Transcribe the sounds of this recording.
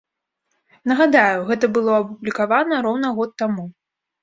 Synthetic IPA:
nɐɣad̪ajuɣɛt̪ɐbɨlˠɔɐpublʲikavanɐɾɔwnɐɣɔt̪ːamu

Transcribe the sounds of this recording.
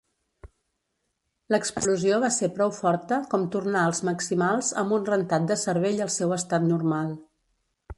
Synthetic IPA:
ləkspluzioβ̞aseɾpɾɔwfɔɾt̪əkɔmt̪urnaəlˠzməksimalˠzəmbunrənt̪at̪̚d̪əsəɾβeʎəlˠsɛwəst̪at̪nurmalˠ

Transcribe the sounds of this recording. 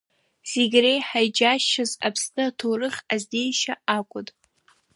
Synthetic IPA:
z̥eɡʲrejħajd͡ʒaʃaza̰pʰstatʰorɨχʲazde̞jʃaakʷʼʊtʼ

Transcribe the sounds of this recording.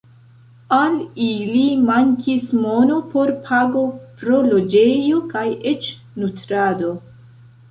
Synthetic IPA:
alilimaŋkʰismo̞no̞po̞ɾpʰaɡo̞pɾo̞lo̞d͡ʒe̞jo̞kajet͡ʃ | nutɾado̞

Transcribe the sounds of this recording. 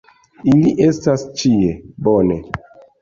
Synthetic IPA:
iliʔestast͡ʃiebone

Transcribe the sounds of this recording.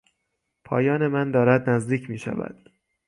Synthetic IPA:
pʰɒːjɒːne̞mænd̪ɒːɾæd̪næzd̪iːcʰmiːʃæ̰væ̰d̪̥

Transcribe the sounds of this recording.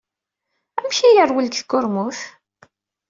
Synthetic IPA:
æmʃijəɾˤwəlkθkːʊɾmʊθ

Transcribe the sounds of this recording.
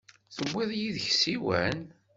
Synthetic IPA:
θəwːɪðˤjiðəçsiwæ̰n

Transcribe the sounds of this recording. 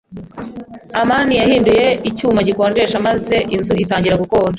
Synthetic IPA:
amaːnijahiːnduje̞icuːmaɟikoːɾɡe̞ʃamaze̞ʔinzuitaːɲɟiɾaɡukoːɾa

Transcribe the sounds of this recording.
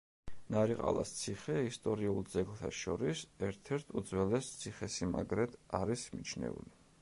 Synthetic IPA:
naɾiqʼa̰lˠa̰st̪sʰiχɛist̪ʼɔɾiulˠd̪zɛɡlˠt̪ʰaʃɔɾisɛɾt̪ʰɛɾt̪ʰud̪zwɛlɛst̪sʰiχɛsima̰ɡɾɛd̪aɾismit͡ʃʰnɛ̰ṵli

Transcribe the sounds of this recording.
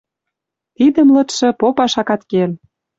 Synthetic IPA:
t̪id̪ə̆mlɤ̆t̪ʃĕpopɑʃɑkɑt̪kel

